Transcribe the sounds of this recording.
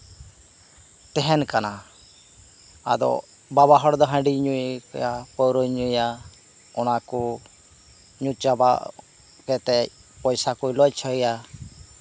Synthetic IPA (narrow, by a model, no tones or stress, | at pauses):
t̪ɛɦɛnkana | a̰d̪ɔ̰ | baβaɦɔɽd̪ɔɦə̃ɖiɲujkjapɔwɾɔjɲuija | ɔñaku | ɲut̪̚d͡ʒaba̰ | kɛt̪ɛ | pɔjsakujlɔjt͡ʃʰɔija